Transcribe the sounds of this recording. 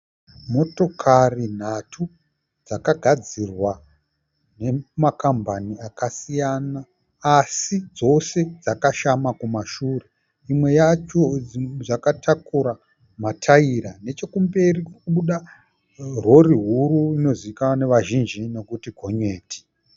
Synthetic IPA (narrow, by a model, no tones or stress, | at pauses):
mo̞to̞kʰarin̤atʰu | d͡zakaɡʱad͡zirwa | ne̞makambʱaniakasijanaː | sid͡zo̞se̞d͡zakaʃamakumaʃuːre̞ | imwe̞jat͡ʃoʐakatʰakuɾa | matʰaiɾane̞t͡ʃe̞kumbe̞rikukuɓuɗa | ro̞riɦuɾuino̞ziikaane̞ʋaʒind͡ʒine̞kutiɡʱo̞ɲe̞ːti̥